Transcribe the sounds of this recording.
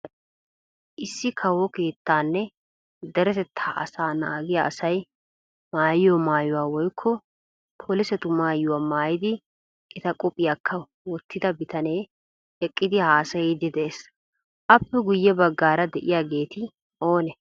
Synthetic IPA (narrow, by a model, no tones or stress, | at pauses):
ʔɪsːɪkʰɐwɔke̞ːt̪ːaːnːɛ | d̪ɛɾɛt̪ɛt̪ʰːaːʔɐ̰saːna̰ːɡɪjaʔɐsɐj | maːjjomaːjʊwaːwɔjkʰːɔ | pʰoːlɪsɛt̪ʊmaːjːʊwaːmaːjɪd̪ɪ | ɪt̪ɐkʼɔpʼːɪjakʰːɐ | wɔt̪ːɪd̪ɐbɪt̪ɐne̞ː | ɛkʼːɪd̪ɪhaːsɐjɛd̪ɪd̪ɛʔeːs | ʔɐpːɛɡʊjːɛbɐɡːaːɾɐd̪ɛʔɪjaːɡe̞ːt̪ɪ | ʔo̞ːnɛ